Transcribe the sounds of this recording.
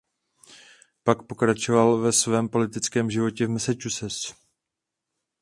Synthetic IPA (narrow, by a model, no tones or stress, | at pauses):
pakpo̞kɾat͡ʃo̞valvɛsvɛːmpo̞lɪt̪ɪt͡skɛːmʒɪvo̞cɛvmɛsɛt͡ʃusɛs